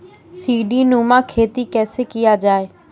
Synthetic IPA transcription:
siːɖiːnuːmãkʰeːt̪ikɛːsekɪjad͡ʒaːeː

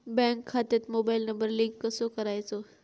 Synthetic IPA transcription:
bɛ̃ŋkʰːat̪et̪mobajlnəmbəɾlĩɡːəsokəɾajt͡so

